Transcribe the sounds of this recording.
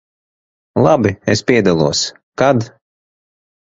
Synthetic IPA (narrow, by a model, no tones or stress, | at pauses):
lˠabiespʲiɛd̪alˠuɔs | kad̪